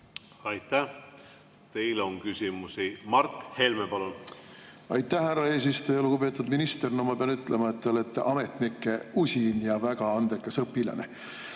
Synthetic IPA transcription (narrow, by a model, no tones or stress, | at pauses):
ɑjt̪ːæ | t̪e̞jlonkysʲimusimɑrt̪he̞lmepɑlun | ɑjt̪ːˑæhhærːɑe̞ːs̬ist̪ujɑluɡupe̞ːt̪ːˑud̪minist̪ernomɑpeɑnyt̪ːˑlemɑet̪ːeole̞t̪ːḛʔɑme̞t̪nikːˑe̞usʲinjɑvæɡɑɑnd̪̥ekːˑesɤpːˑilɑ̰nḛ